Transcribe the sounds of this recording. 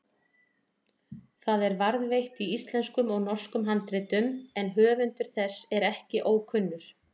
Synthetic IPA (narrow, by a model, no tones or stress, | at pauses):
θaðɛɾvaɾðvejht̪iist̪lɛnskʏmɔɣnɔr̥skʏmɦant̪ɾɪːt̪ʏmɛnɦœːvʏnt̪ʏɾ̥θɛsːɛɾɛhcɪʔoːwkʰʏnːʏɾ̥